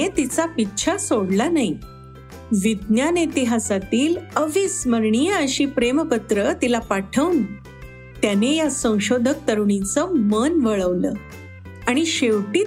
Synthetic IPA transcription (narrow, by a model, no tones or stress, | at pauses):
et̪it͡sapitːɕʰasoɽlanaɦi | ʋid̪njanet̪iɦasat̪iːləʋisməɾɳijəəɕiːpɾeməkət̪ɾət̪ilapaʈʰəʋn | t̪janejasə̃w̃ɕod̪ʱək̚t̪əɾuɳit͡səmənʋəɭəʋlə̰ː | aɽ̃iɕeʋʈiː